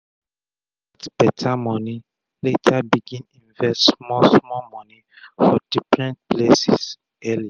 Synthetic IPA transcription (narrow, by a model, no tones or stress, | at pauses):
w | atb̥ɛtʰamɔni | letʰabiɡĩnĩnvɛstmɔsmɔmɔni | fɔd̥ifɹɛ̃nt̚plesis | ɛlia